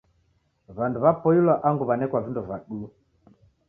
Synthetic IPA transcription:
βanduβapɔilwaʔaŋɡuβanɛkwavindɔvaɗu

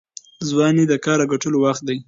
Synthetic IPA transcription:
zwɑnid̪əkɑɾaɡaʈəlowaxt̪̚d̪aj

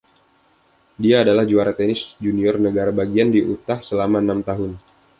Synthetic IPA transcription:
diaːdalahd͡ʒuaɾat̪enɪsd͡ʒuniɔrnəɡaɾabaɡiandiʔut̪ahsəlamaənamt̪aɦʊn

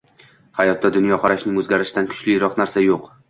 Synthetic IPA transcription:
hajɒt̪ːad̪ʊnjɒqʰɑɾaʃnɪŋozɡʲaɾɪʃɪd̪ankʰʊ̥t͡ʃlɪɾɒqnaɾsajoq

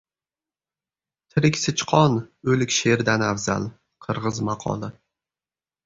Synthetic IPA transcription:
t̪ʰɪɾɪkʲsɪt͡ʃqʰɒnɵlɪkʲʃeɾd̪anavza̰l | qʰɨɾʁɨzmɑqʰɒ̰lˠɪ

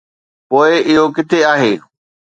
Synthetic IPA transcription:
poːɪɪɦokɪt̪ʰeaːɦeː

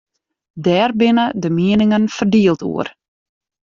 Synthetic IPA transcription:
dɛːrbɪnədəmiənɪŋənfərdiːəlˠtṵər

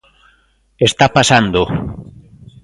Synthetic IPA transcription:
est̪apasand̪o

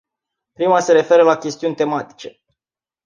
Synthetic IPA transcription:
pɾimase̞ɾe̞fe̞ɾəlakʲe̞st̪iunʲt̪e̞mat̪i̥t͡ʃe̞

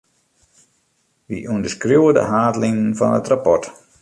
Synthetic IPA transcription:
ʋḭʔundəskruwədə̰ɦaːdlɪŋənfɔ̰nə̰trapɔrt

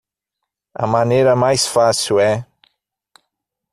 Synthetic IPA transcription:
a̰maneɾamajsfasuɛ

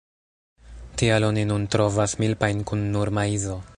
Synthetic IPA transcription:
tialo̞ninuntɾo̞vasmilpajnkunːuɾmaizo̞

